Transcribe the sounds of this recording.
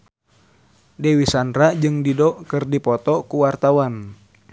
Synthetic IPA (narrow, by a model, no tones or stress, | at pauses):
dɛwisandɾad͡ʒɨŋdidɔkɨrdipɔt̪ɔkuwart̪awan